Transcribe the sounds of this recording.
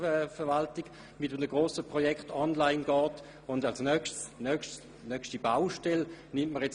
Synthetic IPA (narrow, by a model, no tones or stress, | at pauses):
ɛfəʋaltiɡ̥ | mɪtəmnəɡʁoːsəpʁɔjɛktɔnlaɪnɡ̥ɔːt | ʊndalsnœkʃtsnœkʃt | nœkʃtibawʃtɛlnɪmtməʁjɛt͡s